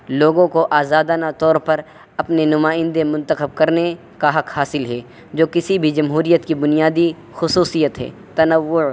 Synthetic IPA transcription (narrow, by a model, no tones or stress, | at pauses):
loːɡõkoʔaːzaːd̪aːnat̪ɔːɾpɐɾ | ɐpnenʊmaːɪ̃nd̪emʊ̃nt̪əxəb̚kɐɾne | kaɦɐqhaːsɪlɦɛː | d͡ʒoːkɪsibʱid͡ʒɐmɦuːɾijət̪kibʊnijaːd̪i | xʊsuːsijət̪ɦɛ̰ː | t̪ɐnəʋːʊ